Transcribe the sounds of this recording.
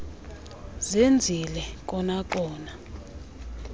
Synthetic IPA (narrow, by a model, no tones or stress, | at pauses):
zend͡zʱilɛk̬ʼɔnak̬ʼɔːna